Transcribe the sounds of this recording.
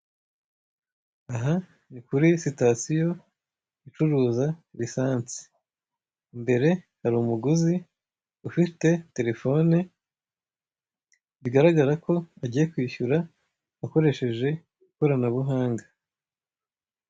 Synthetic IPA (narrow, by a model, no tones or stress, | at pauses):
aɦa | nikuɾisitasijo̞ | it͡ʃuɾuːzaɾisaːnt͡si̥ | mbe̞ɾe̞ | haɾuːmuɡuzi | ufite̞te̞ɾe̞fo̞ne | βiɡaɾaɡaɾakʰo̞aɟiːje̞kwiːçuɾaː | ko̞ɾe̞ʃe̞ʒe̞ | ɡuko̞ɾanaβuɦaːŋɡa